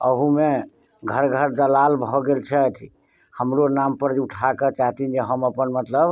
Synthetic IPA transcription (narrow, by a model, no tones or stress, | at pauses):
əɦũme | ɡʱəɾɡʱəɾd̪əlalbʱɔɡelt͡ʃʰɛt̪ʰi | həmɾonampəɾd͡ʒuʈʰaket͡ʃaɦt̪ind͡ʒeɦəməpənmət̪ləb